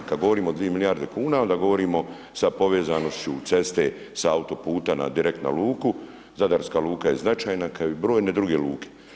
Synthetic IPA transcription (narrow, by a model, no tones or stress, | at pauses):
kad̪ɡo̞ʋo̞ɾiːmo̞d̪ʋijemilijaɾd̪ekuːnao̞nd̪aɡo̞ʋo̞ɾiːmo̞ | sapo̞ʋe̞ːzano̞st͡ɕut̪se̞st̪e̞ | saaut̪o̞puːt̪ana̰d̪iɾek̚t̪na̰lˠuːku | zad̪aɾskaːlˠuːkaje̞znat͡ʃaːjnakajoibɾo̞ːjne̞d̪ɾuɡe̞luːkʰe̥